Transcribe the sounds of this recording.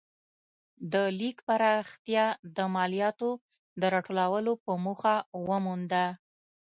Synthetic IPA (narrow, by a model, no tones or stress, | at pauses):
d̪əlikpaɾaxt̪jɑd̪əmɑlijɑt̪o | d̪əɾɑʈolawəlopəmuxawəmund̪a